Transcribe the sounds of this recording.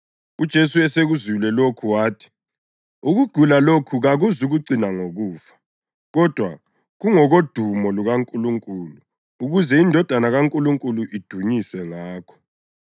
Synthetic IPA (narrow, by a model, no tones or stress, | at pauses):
ud̥ʒ̥ʱesuɛseɣuzilɛlokʰuwaːtʰi̥ | uɣuɡ̥ʱulalokʰuɣaɣuzuɣuǀinaŋoɣuːfḁ | ɣɔd̥ʱwa̰ | ɣuŋɔɣod̥ʱumɔluɣaŋkʼuluŋkʼuluː | ɣuzɛindʱɔd̥ʱanaɣaŋkʼuluŋkʼuluʔid̥ʱuɲisɛŋaːkʰɔ̥